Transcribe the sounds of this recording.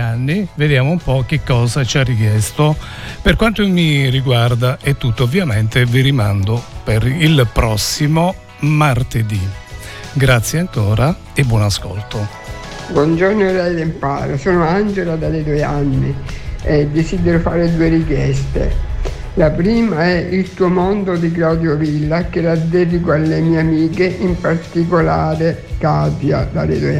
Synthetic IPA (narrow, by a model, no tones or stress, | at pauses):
anːived̪jaːmoumpɔk̟ːekːɔːzat͡ʃarːik̟jɛst̪o | perkwant̪omiriɡward̪aʔet̪ːut̪ːoovːjament̪eviɾimand̪opeɾilpɾɔsːimo | mart̪ed̪i | ɡɾat̪sːjeaŋkoːɾa | ebwɔnasko̰lt̪o | bwɔnd͡ʒornoɛlːɛjd̪empa̰ːɾasoːnoand͡ʒelad̪aled̪ujanːiɛd̪ːesid̪eɾofaːɾed̪uːeɾikjɛst̪ḛ | lapɾiːmaɛʔilt̪uːomond̪od̪ik̬lawd̪jovilːakelad̪ɛd̪ikoalːemiːeamiːkeʔimpart̪ikolaːɾekapja̰d̪a̰lḛd̪uj